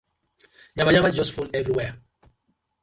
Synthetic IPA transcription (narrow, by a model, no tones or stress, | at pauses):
ɲamaɲaɣad͡ʒɔsfonɛvɾiwɛ